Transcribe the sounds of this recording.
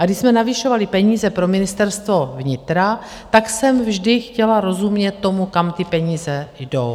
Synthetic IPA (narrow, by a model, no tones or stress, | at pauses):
ʔaɡdɪçsmɛnavɪʃo̞valɪpɛɲiːzɛpɾo̞mɪnɪst̪ɛɾst̪vo̞vɲɪt̪ɾa | t̪aksɛmvʒdɪxcɛlaɾo̞zumɲɛt̪ːomukamt̪ɪpɛɲiːzɛjdo̞̰w